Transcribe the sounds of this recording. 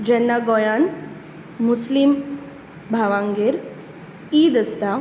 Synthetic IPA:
d͡ʒɐnːaɡojaːn | muslim | bʱaːʋãːŋɡeɾ | iːd̪əst̪a

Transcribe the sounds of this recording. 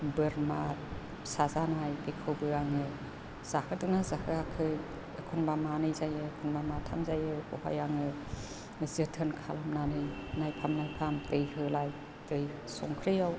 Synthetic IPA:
bɯɾma | sazanajbekʰɯwbɯaŋɯ | z̥ahɯdɯnazahɯakʰɯ | əkʰɔnbamanɯjzajɯːkʰunbamatʰa̰mzajɯɔha̰jaŋɯ | zɯtʰɯnkʰalamnanɯjnajpʰamnajpʰamtɯjhɯlaj | tɯj | sɔŋkʰɾɯjaw

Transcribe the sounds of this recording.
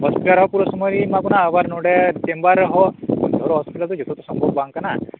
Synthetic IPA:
ɦɔspiʈaɾɦɔpuɾɔsɔmɔɾimaɡunaːbaɾnoɽeʈembaɾɦɔo̰d̪ʱɔɾɔɦɔspiʈalt̪ɔd͡ʒɔt̪ʰot̪ɔsɔmbʱɔɡ̚baŋkana

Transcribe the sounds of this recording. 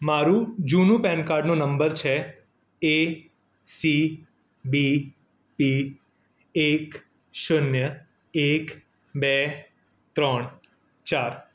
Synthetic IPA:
maɾũd͡ʒunũpɛnkaɾɖnũnəmbəɾt͡ʃʰe | e | si | bi | pi | ek | ʃʊnjə | ek | be | t̪ɾəɳ | t͡ʃaɾ

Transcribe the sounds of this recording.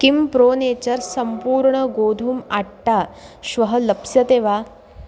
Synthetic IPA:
kimpɾoːneːt͡ɕəɾsɐmpuːɾɳəɡoːd̪ʱumaʈʈaɕʋɐɦəlɐpsjɐt̪eːʋa

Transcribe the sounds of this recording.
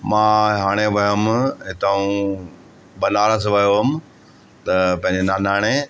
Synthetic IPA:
mãːɦaːɽ̃eʋɐɦəmɦɪt̪aũ | bɐnaːɾəs̬ʋɐjoɦʊmɪ̆ | t̪ɐpɐ̃ɦɪ̃ɲd͡ʑenaːnaːɽ̃e

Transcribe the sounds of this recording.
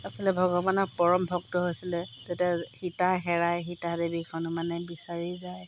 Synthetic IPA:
asilɛbʱɔɡɔbanɔɹpɔɹɔmbʱɔk̚tɔɦojsilɛz̥etaxitaxɛɹajxitadebikʰɔnumanɛbisaɹizaj

